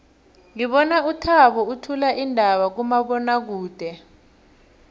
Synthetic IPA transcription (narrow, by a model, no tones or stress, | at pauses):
ŋiɓɔnautʰaɓɔutʰulaʔindʱaɓak̬umaɓɔnak̬uːd̥ʱɛ